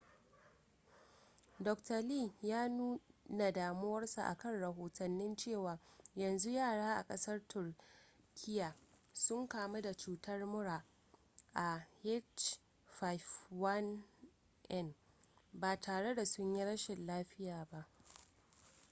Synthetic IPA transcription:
dɔ˨ktɐ˨liː˦˨jaː˦nuː˦na˨daː˨mʊ˦wɐ˦rsṵ˨ʔa̰˨kɐ˦nɽɐ˨ɦoː˨tɐ˨nːɪ˦nt͡ʃeː˦˨waː˨jɐ˨nzu˦jaː˦˨ɽaː˦ʔa̰˨kʼɐ˦sɐ˦rtʊ˨r | kʲʰɪ˦jaː˨sʊ˦ŋkaː˨ma˦da˨t͡ʃuː˦tʰɐ˦rmʊ˦ɽaː˨ | ʔa˨he˦t͡ʃ | fa˦jfwɐ˦n | ʔɛ˦˨n | baː˨tʰaː˨ɽe˦da˨sʊ˦ɲji˦ɽɐ˦ʃɪ˨nlaː˦ɸɪ˦jaː˨ba˦ʔ

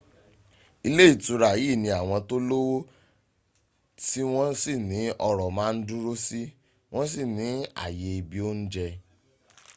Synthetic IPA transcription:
i˧le˦i˦˨tũ˧ɾa˨ji˦˨nĩ˧˦a˨w̃ɔ̃˧to˦lo˦wo˦ | ti˦w̃ɔ̃˦si˦˨nĩ˨˦ʔɔ˧ɾɔ˨mãː˦˧n̩˦dũ˦ɾo˦si˦ | w̃ɔ̃˦s̬i˦˨nĩ˨˦a̰˨je˧i˧bi˨o˦n̩˦d͡ʒɛ˧

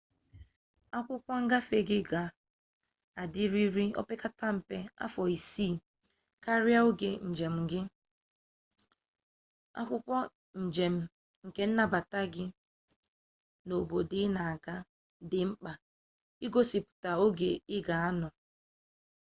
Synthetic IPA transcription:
a˦kʷʊ˦kʷɔ˦ŋ̩˦ɡa˦fe˦˨ɡɪ˦ɡa˨ | a˨dɪ˦ɾi˦ɾi˦o̰˦pe˦ka˦ta˦m̩˨pe˦a̰˦fɔ˨i˨si˦˨ | ka˦ɾja˦o˦ɡe˨n̩˨d͡ʒe˨m̩˨ɡɪ˦ | a̰˦kʷʊ˦kʷɔ˦ | n̩˨d͡ʒe˨m̩˦ | ŋ̩˨ke˦n̩˦na˦ba˨ta˦ɡɪ˦ | no˨bo˨dɪ˦na˨a˨ɡa˦ | dɪ˨ŋ͡m̩˦k͡pa˨ | i˦ɡo˦si˨pʊ̥˨ta˨o˦ɡe˨ɪ˦ɡa˨a˦nɔ˨

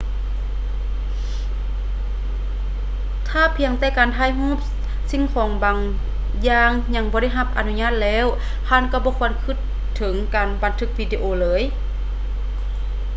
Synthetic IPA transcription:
t̪ʰaː˧˩pʰi˧əŋt̪ɛː˧˩kaː˨nt̪ʰaː˧˥˨jɦũː˧˥˨p̚ | si˧˨ŋkʰɔː˨˦ŋbaː˨ŋ | jaː˧ŋɲa˧˩ŋbɔː˧ɾa˥˩˨jɦa˧˩p̚ʔa̰˨˩nu˧ɲaː˧˥˩t̪̚lɛː˧˥˨w | hʰaː˧˥˨nka˧˩bɔː˧˦kʰu˧˩ənkʰɯ˧˩t̪ʰːɤ˨˩˦ŋkaː˨˩nba˨˦nt̪ʰɯ˧˩k̚wiː˧di˧ʔoː˧lɤː˨˦j

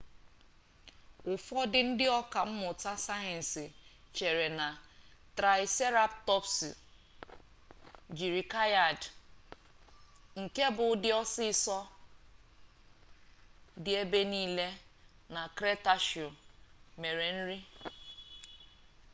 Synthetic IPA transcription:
ʊ˨fɔ˦dɪ˦n̩˦dɪ˦ɔ˦ka˨m̩˦mʊ˨ta˦sa˦je˨n̩˨sɪ˨t͡ʃe˨ɾe˨na˨tɾa˨ɪ˨se˦ɾa˦ptɔ˦psḭ˨ | d͡ʒi˨ɾi˨ka˦ja˨d | ŋ̩˨ke˦bʊ˨˦dɪ˦ɔ˦sɪ˦˨sɔ˦ | dɪ˨e˦be˦niː˦le˦na˨kɾe˦ta˦ʃi˨o˨me˨ɾe˨n̩˦ɾi˦

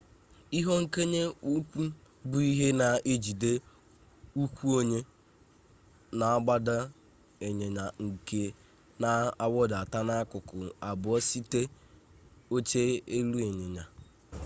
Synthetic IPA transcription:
i˦ɦo˦ŋ̩˦ke˦ɲe˦u˦kʷu˦ | bʊ˦i˦ɦe˦na˨ʔe˦d͡ʒi˨de˦ | u˦kʷu˦o˦ɲe˦ | na˨a˦ɡ͡ba˦da˦ | e˨ɲe˨ɲa˨ŋ̩˨ke˦ | na˨a˦wɔ˦da˨ta˦na˦a˦kʊ˨kʊ˨a˨bʊ˨ɔ˦si˦te˦ | o˦t͡ʃe˦e˦lu˦e˨ɲe˨ɲa˨

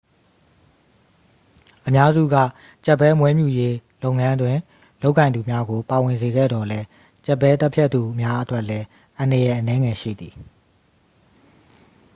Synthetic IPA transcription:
ʔəmja˦zṵ˦˨ɡä̰˦˨ | t͡ɕɛ˦˨pːɛ˦mwɛ˦mju˦˨je˦lo˦ʊ̃˨ŋã˦dwɪ̃˨ | lo˦ʊʔkːã˨nd̪u˨mja˦ɡo˨pa˨wɪ̃˨nze˨ɡɛ̰˦˨d̪ɔ˨lɛ˦ | t͡ɕɛ˦˨pːɛ˦t̪ɛ˦pʰjɛ˦t̪t̪u˨ʔə˨mja˦ʔətwɛ˦ʔlɛ˦ | ʔã˨ndə˨jɛ˨ʔənɛ˦ŋɛ˨ʃḭ˦˨d̪i˨

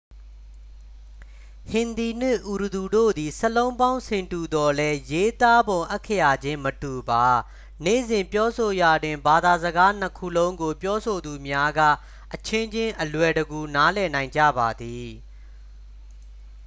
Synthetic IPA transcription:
hɪ̃˨nd̪i˨n̥ɪ˦ʔu˨ɾə˨du˨do̰˦˨d̪i˨səlõ˦ʊ̃mbã˦ʊ̃nsʰɪ̃˨ntu˨d̪ɔ˨lɛ˦je˦t̪a˦bõ˨ʊ̃ʔɛ˦kʰːə˦ja˨d͡ʑɪ̃˦mətu˨ba˨ | nḛ˦˨zɪ̃˨mpjɔ˦so˨ja˨dwɪ̃˨mba˨d̪a˨zəɡa˦n̥əkʰṵ˦˨lõ˦ʊ̃ŋɡo˨pjɔ˦so˨d̪u˨mja˦ɡä̰˦˨ | ʔət͡ɕʰɪ̃˦ɲd͡ʑɪ̃˦ʔəlwɛ˨dəɡu˨na˦lɛ˨nã˨ɪ̃ɲd͡ʑä̰˦˨ba˨d̪i˨

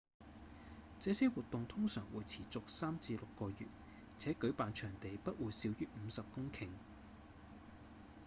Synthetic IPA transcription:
t͡sɛː˨˧sɛː˥wuː˨t̚t̪ʊ˨ŋt̪ʰʊ˥ŋsœː˨˩ŋwuː˨jt͡sʰiː˨˩t͡sʊ˨k̚saː˥mt͡siː˧lʊ˨kːɔː˧jy̰ː˨t̚ | t͡sʰɛː˨˥kɵ˨˥ɥpaː˨nt͡ʃʰœː˨˩ŋt̪e˨jpɐ˥t̚wuː˨˧jsi˨˧˥wjyː˥m̩˨˧sɐ˨p̚kʊ˥ŋkʰɪ˨˩ŋ

